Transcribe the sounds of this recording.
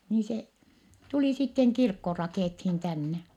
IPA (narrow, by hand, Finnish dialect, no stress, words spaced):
niː se tuliˑ sitːeŋ kirkːo rɑkeˑthin tænːe